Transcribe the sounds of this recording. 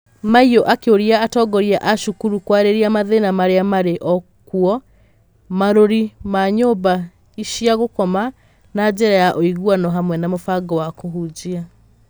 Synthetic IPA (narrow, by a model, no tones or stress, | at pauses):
maioʔakeoɾiaatɔɡɔɾiaʔaʃukuɾukwaɾeɾiamaðenamaɾeamaɾeʔɔ | kuɔ | maɾoɾimaɲoba | iʃiaɣokɔma | nad͡ʑeɾajaʔoiɣuanɔɦamwɛnamofaɡɔwakoɦud͡ʑia